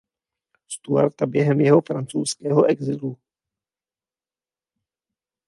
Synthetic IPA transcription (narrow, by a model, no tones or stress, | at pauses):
st̪ua̰ɾt̪abjɛɦɛmjɛɦo̞fɾant͡sowskɛːɦoʔɛɡzɪlu